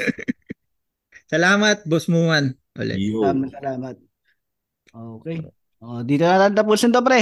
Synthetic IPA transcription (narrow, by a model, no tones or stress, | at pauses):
sɐlaːmɐt̪̚bosmumɐn | ʔo̰lɛ̰amɐsɐlaːmɐt̪̚ | oʔoːkɛj | ʔoʔd̪iːt̪onɐt̪aːɪnt̪ɐp̬uːsɐnt̪op̬ɾɛ